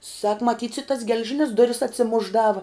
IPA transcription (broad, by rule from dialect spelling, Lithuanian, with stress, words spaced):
sɐk mɐˈtʲiːts ɪ tɐs ɡʲɛlʲˈʒʲɪnʲɪs ˈdʊrʲɪs ɐtʲsʲɪˈmʊʒˌdɑːʋɐ